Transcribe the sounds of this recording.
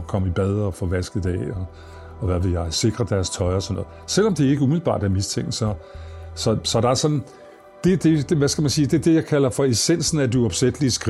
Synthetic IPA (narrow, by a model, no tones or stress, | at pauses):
kʰɒ̽m̰əib̥ɛð̞ˠɒfɒ̽ʋæsɡ̥ð̩ˠd̥æɒː | ʋæʋe̝jɑ̈ɪse̝ɡ̥ʁɐd̥æɐst͡sʰɒ̽ɪɒsnːɔ̽ːð̩ˠsel̰ɒ̽md̥e̝ɐe̝ɡ̥əumið̩ˠb̥ɑ̰̈ːd̥æɐmist͡sʰeŋ̰ɡ̥n̩sɒ̽sɒ̽sɒ̽d̥ɑ̈æɐsɒ̽d̥n̩ | d̥e̝d̥e̝d̥ʋæsɡ̥æmænsiːd̥e̝d̥e̝jɑ̈ɪkʰælɐfɒ̽e̝sen̰sn̩æd̥iɒ̽b̥sed̥liəsɡ̥ʁ